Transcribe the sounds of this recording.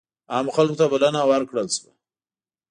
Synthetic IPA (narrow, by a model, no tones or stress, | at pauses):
ɑmxalkot̪abalanawaɾkɽəlʃwa